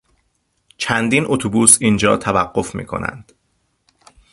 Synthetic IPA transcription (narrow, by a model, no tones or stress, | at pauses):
t͡ʃʰænd̪iːnʔot̪ʰobuːsiːnd͡ʒɒ̰ːt̪ʰævæɢːo̞fmḭːkʰo̰næ̰nd̪̥